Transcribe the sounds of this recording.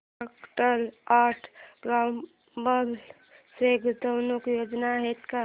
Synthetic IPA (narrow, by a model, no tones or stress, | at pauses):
akʈəlaːʈʰɡam | əl | seɡut̪əwnokjoːd͡ʒnaɦet̪ka